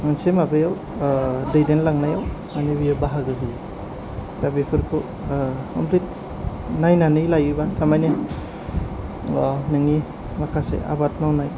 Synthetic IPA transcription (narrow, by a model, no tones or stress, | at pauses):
mansemabɯjaw | dɯjdenlaŋnajawmanibijabaɦaɡɯɦɯj | tabepʰɯɾkʰo | kʰɔ̰mpʰlit̚ | najnanɯjlajibatʰamajne | ɔnɯŋi | makʰasḛʔa̰bat̚nawnaj